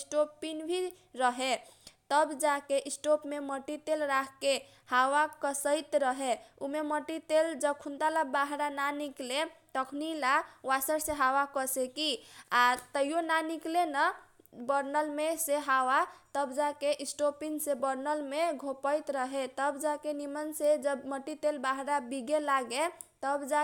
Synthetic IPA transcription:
sʈopinbʱi | ɾəɦe | t̪əbd͡ʒakeʔisʈopmeməʈit̪elɾakʰke | hawakəsəjt̪ɾəɦeumeməʈit̪eld͡ʒəb̚kʰunt̪alabaɦɾananikleʈəkʰnilawasəɾseɦawakəsekiat̪əijonaniklenə | bəɾnəlmeseɦawat̪əbd͡ʒakeʔisʈopiŋsebəɾnəlmeɡʱopəjt̪ɾəɦet̪əbd͡ʒakenimənsed͡ʒəbməʈːit̪elbaɦɾabiɡelaɡe | t̪əbd͡ʒa

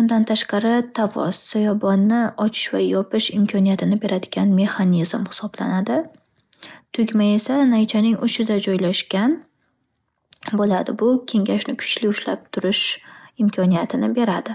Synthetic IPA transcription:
ʊnd̪ant̪ʰaʃqɑɾɪt̪ʰavɒ̰ssajɒbɒnːɪɒt͡ʃʰɪ̥ʃvajɒpɪʃɪmkʲʰɒnijat̪ʰɪnɪbe̞ɾad̪ɪɡʲanme̞χanizmhɪ̥sɒbla̰nad̪ɪ | t̪ʰʊɡʲmaje̞sanajt͡ʃʰanɪŋʊʃɪd̪ad͡ʒɒjlaʃkʲan | bolad̪ɪbʊkʲʰe̞ŋɡʲaʃnɪkʰʊ̥t͡ʃlɪʊʃla̰p̚t̪ʰʊɾɪʃɪmkʰɒnijat̪ʰɪnɪbe̞ɾad̪ɪ

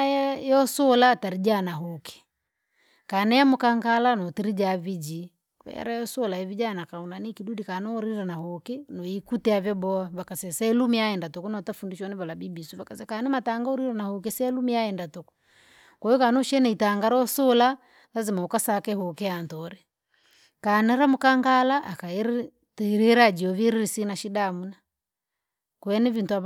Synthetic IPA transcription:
jɔsɔlataɾid͡ʒanaɦukɛ̥ | kanɛamukaŋɡalanɔtiɾid͡ʒavid͡ʒi | kɛ̰ja̰ɾajɔsɔlaɛvid͡ʒanakaunanikidudikanɔɔɾiɾɛnaɦɔkɛnɔikutɛavjɔbɔavakasɛsɛlumiaɛndatɔkunɔtafundiʃɔnɛβalabibisuβakasɛkanɛmataŋɡauɾiɾɛnahuk̬ɛsɛlumiaɛndatɔku̥ | kɔjɔkanɔʃɛnɛitaŋɡaɾɔsɔla | lazimaukasakɛhɔkɛantɔɾɛ | kanɛɾamukaŋɡalaʔːkaɛɾ | tɛɾiɾad͡ʒiɔviɾiɾisinaʃidamuna | kwɛnɛvintua

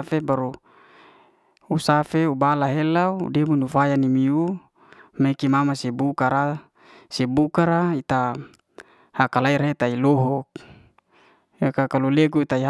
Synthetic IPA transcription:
febaɾu | usafeubalaɦelaṵdemunufajanimiu | mekimamasebukaɾa | sebukaɾait̪a | hakalaiɾet̪ailɔɦɔk̚ | ekakaluleɡuit̪aiɦ

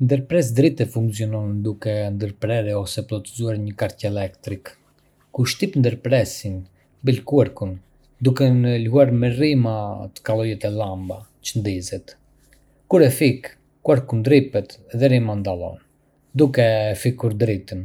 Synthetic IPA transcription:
nd̪əɾpɾɛs̬d̪ɾit̪ɛfuŋksijɔnɔnnd̪ukɛnd̪əɾpɾɛɾɛɔsɛplɔt̪izuaɾɲəkaɾcɛlɛkt̪ɾik | kuʃt̪ipnd̪əɾpɾɛsin | bilkuaɾkun | d̪ukɛnəlɦuaɾmɛrimat̪ə̥kalˠɔjɛt̪ɛlambat͡ʃənd̪izɛt̪ | kuɾɛfik | kːuaɾkund̪ɾipɛt̪ðɛɾimand̪alɔ̰n | d̪ukɛfikuɾd̪ɾit̪ən

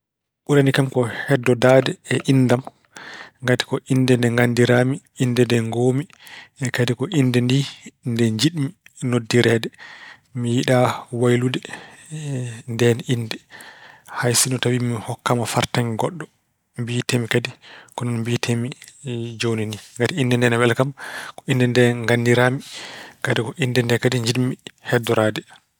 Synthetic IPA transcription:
ɓuɾanikamkɔhɛdːɔdaːdɛːʔindam | ŋɡati̥kɔʔindɛndɛŋɡandiɾami | indɛndɛŋɡomi | ɛkadikɔʔindɛndindɛɲd͡ʒiɗminodːiɾɛːdɛ | mijiɗawajludɛ | ndɛninːdɛ | hajsinɔtawimihɔkːamafaɾtaŋɡɔɗːɔ | mbitemikadikɔnɔnmbitʰemid͡ʒowniniŋɡatiindɛndɛnɛwɛlkamkɔʔindɛndɛŋɡanːdiɾaːmikadikɔʔindɛndɛkadiɲd͡ʒiɗmihɛdɔɾaːdɛ

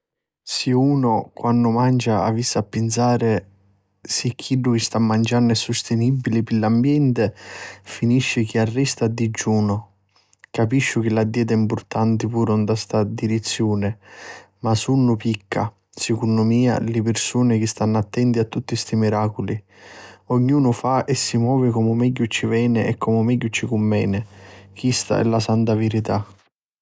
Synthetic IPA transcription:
siuːnʊkwanːʊmand͡ʒaa̰visːapːɪns̬aːɾɪ | sikʰːiɖːʊk̟ɪst̪amːand͡ʒanːɛsʊst̪ɪnibːilɪpɪlːambjɛnt̪ɪfiniʃːɪk̟iarːɛst̪ad̪ːid͡ʒːuːnʊ | kapiʃːʊk̟ɪlad̪ːɛːt̪̬aimpʊrt̪ant̪ɪpuːɾund̪ast̪ad̪iɾit̪sːjuːnɪ | masunːʊpikːa̰ | sɪkunːʊmiːa̰lɪpɪrsuːnɪk̟ɪst̪anːat̪ːɛnt̪iat̪ːut̪ːist̪imiɾaːkʊli | ɔɲːuːnʊfaɛsːimwɔːvɪkɔmʊmɛɟːʊt͡ʃːivɛːnɪɛkːɔmʊmɛɟːʊt͡ʃːikʊmːɛːnɪk̟ist̪a̰ɛ̰lːasant̪avɪɾit̪a

